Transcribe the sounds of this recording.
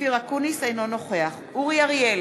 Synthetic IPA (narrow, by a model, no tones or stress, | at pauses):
iʁakunisejno̞no̞χe̞aχuʁijaʁjel